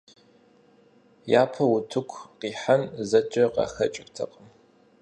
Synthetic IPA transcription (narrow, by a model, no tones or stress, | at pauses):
jaːpʰɐwʊtʰɨkʷʰqiːħanzɐt͡ʃʼɐqɑ̰ːxɐ̰t͡ʃʼɪktʰɐqʼəm